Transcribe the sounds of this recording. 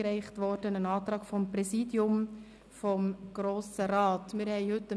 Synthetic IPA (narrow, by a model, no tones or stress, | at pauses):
ɾɛɪχtʋɔɾd̥ənənɑːtɾɑːkfɔmprɛsidjʊm | fɔmɡ̥ɾoːsəɾɑːtmɪɾhɛɪhɵtːə